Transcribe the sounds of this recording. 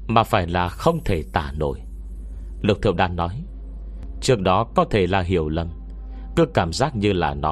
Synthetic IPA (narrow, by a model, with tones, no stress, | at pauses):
maː˨˩faː˧˩jlaː˨˩xə˧wŋ͡mt̪ʰe˧˩t̪a̰ː˧˩no̰˧˨j | lɨ˨˩t̪ʰɨ̰˧˨wɗa̰ː˧˨nːɔ˨˦j | t͡ɕɨ˦˥ək̚ɗɔ˨˦kɔ˨˦t̪ʰe˧˩laː˨˩ɦi˧˩˨əwlə˨˩m | kɨ˨˦kaː˧˩mzaː˦˥k̚ɲɨ˧la̰ː˨˩nɔ˨˦